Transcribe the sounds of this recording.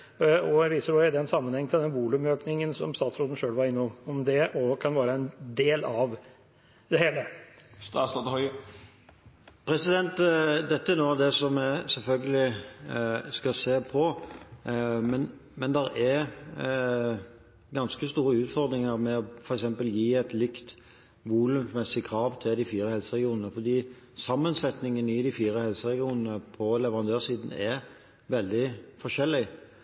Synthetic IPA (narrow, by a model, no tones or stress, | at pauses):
ɔʋiːsəɾɔɪd̪ɛɛnsɑmːənhɛŋːt̪ʰɪld̪ɛnʋuːlʉmøːknɪŋənsɔ̰mst̪ɑːt̪sɾoːt̪n̩ʂøːlʋɑɾɪnːɔɔmd̪ɛʔɔkʰɑnʋæːɾəɛnd̪eːlɑʋ | d̪ɛheːləst̪ɑːsɑt̪ɔɪ | pʰɾɛsɪd̪ɛnt̪d̪ɛt̪ːəæɾnoːd̪ɛsɔmɛsɛlfœlɡəlɪ | skɑseːpʰɔ | mɛnmɛnd̪ɛɾɛɾ | ɡɑnskəst̪uːɾəʉːt̪fɔɾd̪ɾɪŋəɾmɛɔfɔɾɛksɛmpəljiːɛɪt̪lɪkt̪ | ʋuːlʉnmɛsɪkʰɾɑːʋt̪ʰɪld̪ɪfiːɾəhɛlsəʁɛɡɪuːnənəfɔd̪iː | sɑmːənsɛt̪nɪŋənɪd̪ɪfiːɾəhɛlsəɾɛɡɪuːnənəpʰɔlɛʋəʁɑnd̪øːsiːd̪n̩ɛɾ | ʋɛld̪ɪfɔʃɛlːɪ